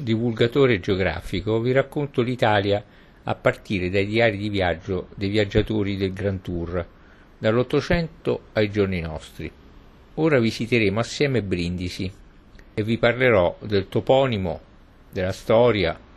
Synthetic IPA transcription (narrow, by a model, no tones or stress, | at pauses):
d̪ivulɡat̪oːɾed͡ʒeoɡɾa̰ːfikoviɾakːont̪olit̪aːlja | a̰pːart̪iːɾed̪ajd̪iaːɾid̪ivjad͡ʒːod̪ejvjad͡ʒːat̪oːɾid̪elɡɾant̪ur | d̪alːot̪ːot͡ʃɛnt̪oajd͡ʒorninɔst̪ɾḭ | oːɾavisit̪eɾeːmoasːjɛːmebːɾind̪isi | evːiparleɾɔd̪elt̪opɔːnimo̰ | d̪elːast̪ɔːɾja